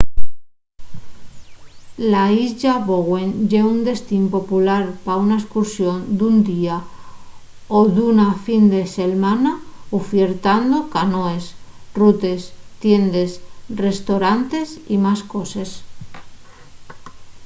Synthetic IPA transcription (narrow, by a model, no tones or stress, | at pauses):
laiʎaβoɣwe̞nʎeund̪e̞st̪impo̞pulaɾpaunaeskuɾsjo̞nd̪und̪ia | oðunafind̪e̞se̞lmanaufjeɾt̪and̪okanoe̞srut̪e̞st̪je̞nd̪e̞sre̞st̪oɾant̪e̞simasko̞ses